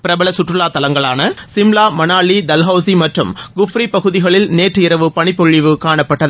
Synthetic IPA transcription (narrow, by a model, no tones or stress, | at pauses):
pɪɾɐbɐɭɐsʊʈrɯɭaːt̪ɐlɐŋɡɐɭaːnɐsɪmlaːmɐnaːɭːid̪ɐlɦɐʊsimɐʈrɯmɡʊfɾipɐɣɯðɪɣɐɭɪlneːʈrɯɪɾɐʋɯpɐɳɪpːɔɻːɪʋɯkaːɳɐpːɐʈːɐðɯ